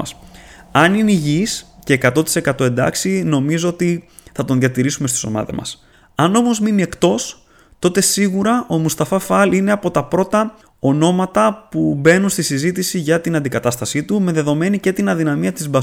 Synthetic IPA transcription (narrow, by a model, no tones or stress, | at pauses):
ɐsɐniniʝisce̞ːkɐt̪o̞t̪i̥se̞kɐt̪o̞e̞nd̪ɐ̰ksino̞mizo̞ot̪i | θɐt̪oðʝɐt̪iɾisumest̪i̥so̞̰mɐ̰ðḛmɐ̰s | ɐno̞mo̞zminie̞kt̪o̞s | t̪o̞t̪e̞siɣuɾɐʔo̞must̪ɐfɐfɐlineɐpo̞t̪ɐpɾo̞t̪ɐ | o̞no̞mɐt̪ɐpube̞nunst̪isizit̪isiʝɐt̪inɐnd̪ikɐt̪ɐst̪ɐsit̪ume̞ðe̞ðo̞me̞nice̞t̪inɐðinɐmiɐt̪izbɐ